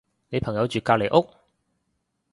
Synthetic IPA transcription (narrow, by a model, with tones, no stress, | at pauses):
ne˨˧jpʰɐ˨˩ŋjɐ˧wt͡ʃyː˨kaː˧le˨˩ʔʊ˥k̚